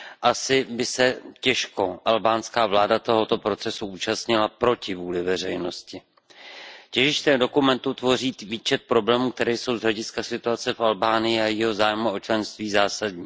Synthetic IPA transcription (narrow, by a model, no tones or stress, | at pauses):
ʔasɪbɪsɛcɛʃko̞ʔalbaːnskaːvlaːdat̪o̞ɦo̞t̪o̞pɾo̞t͡sɛsuuːt͡ʃast̪ɲɪlapɾo̞cɪvuːlɪvɛr̝ɛjno̞scɪ | cɛʒɪʃt̪ɛːdo̞kumɛnt̪ut̪vo̞riːt̪viːt͡ʃɛt̪̚pɾo̞blɛːmuːk̚t̪ɛɾɛːjso̞wzɦlɛɟɪskasɪt̪uat͡sɛfʔalbaːnɪjɪajɪɦozaːjmuo̞t͡ʃlɛnst̪viːzaːsadɲiː